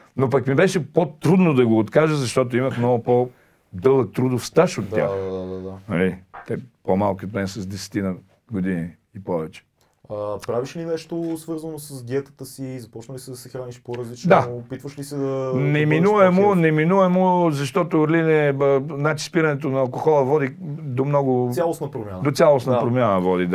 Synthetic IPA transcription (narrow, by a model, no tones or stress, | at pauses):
nop̬ɐkmibɛʃɛpot̪ɾud̪nod̪ɐɡoːt̪kaʒəzɐʃt̪ɔt̪̬oimɐxmnɔɡʊpo | d̪ɤlˠək̚t̪ɾud̪ofst̪aʃot̪ʲːja̰xd̪ad̪ad̪anɐ̰lit̪ɛpomalˠkʲiot̪mɛnsɐzd̪ɛsɛ̥t̪inɐ | ɡod̪ini | ipɔvɛt͡ʃɛ̥ | əpɾaviʃlinɛʃt̪osvɤɾzənosɐzɡ̪iɛt̪ə̥t̪əsiːzɐpɔt͡ʃnəlisɛd̪ɐsɛxɾaniʃpoɾɐzlit͡ʃd̪apit̪vəʃlisɛd̪ɐnɛminuvɛmonɛminuvɛmozɐʃt̪ɔt̪oɾlinɛənat͡ʃi̥spiɾɐnɛt̪onɐːlˠkoxɔlˠəvɔd̪i | d̪omnɔɡʊsalˠosnəpɾomʲjand̪ot̪sʲjalˠosnəpɾomʲjanəvɔd̪id̪